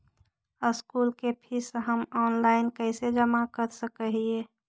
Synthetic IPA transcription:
əskulkepʰisɦəmɔːnlaɪnkəɪsed͡ʒəmakəɾsəkəɦie

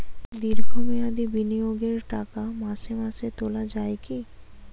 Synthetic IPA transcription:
d̪iɾbʱumiad̪ibinijoɡeɾʈakamasemaset̪olad͡ʑaeki

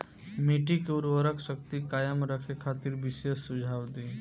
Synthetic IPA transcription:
meːʈikuɾʋəɾəkʰʃək̚t̪ikaːjəmɾəkʰekʰaːt̪iɾʋɪsesːʊd͡ʒʱaːʋd̪i

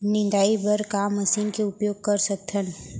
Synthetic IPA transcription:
nɪ̃nd̪aːibəɾkamːəsiːnkeʊpjoːɡ̚kəɾsək̚t̪ʰən

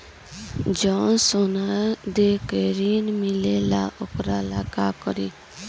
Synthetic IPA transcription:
d͡ʒɔːnsonad̪ekeɾiːnmɪlela̰ʔokɾalaːkakɔɾiː

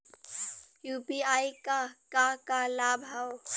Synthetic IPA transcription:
jupiaikakakalabʱaw

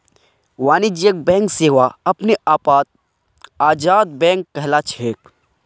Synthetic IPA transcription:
waːnid͡ʒjək̚bɛ̃ːŋkseːʋaɐpneʔaːpaːt̪̚ | aːd͡ʒaːd̪̚bɛ̃ːŋkːəɦlat͡ʃʰeːk̚

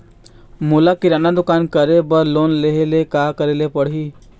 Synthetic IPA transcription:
mʊlakiɾaːnad̪ʊkaːnkəɾebəɾloːnleɦelekaːkəɾelepəɽ̤iː

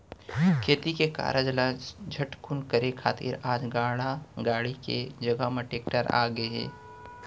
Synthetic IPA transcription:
kʰeːt̪ikeka̰ːɾəd͡ʒlãd͡ʒʱəʈkʰunkəɾekʰa̰ːt̪ɪ̰ɾaːd͡ʒɡaːɽaɡaːɽikḛd͡ʒɐɡaməʈeːk̚ʈəɾa̰ːɡəeɦɛ̰ː

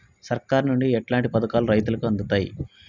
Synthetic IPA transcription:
sɐɾkaːɾnuɳɖiɛʈlaːɳʈipɐd̪ɐkaːluɾɐjt̪̬ulɐkuɐnd̪ut̪aːjḭ

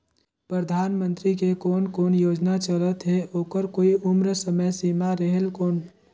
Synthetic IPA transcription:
pɾəd̪ʱaːnmə̃nt̪ɾikekoːnkoːnjoːd͡ʒnat͡ʃələt̪ɦeoːkəɾkoːiʊmɾəsəməjsimaɾəɦelkoːn

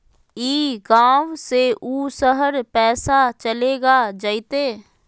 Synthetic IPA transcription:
iːɡaːʋseuːsəɦəɾpɛːsat͡ʃəleːɡad͡ʒəit̪eː

